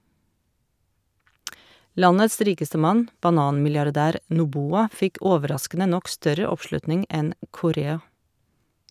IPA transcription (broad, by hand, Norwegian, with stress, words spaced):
ˈlɑnəs ˈɾiːkəstə ˈmɑn bɑˈnɑːnmɪljɑɾˌdæːɾ nʊˈbuːɑ ˈfɪk ˈoːʋəˌɾɑskənə ˈnɔk ˈstœɾə ˈɔpˌʃlʉtnɪŋ ˈɛn kʊˈɾeːɑ